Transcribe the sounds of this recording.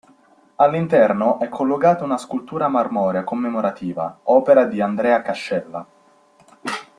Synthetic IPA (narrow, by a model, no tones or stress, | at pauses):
alːint̪ɛrnoʔɛkʰːolːoɡaːt̪ounaskult̪uːɾamarmɔːɾeakomːemoɾat̪ʰiːva̰ɔːpeɾad̪iand̪ɾɛːakaʃːɛlːa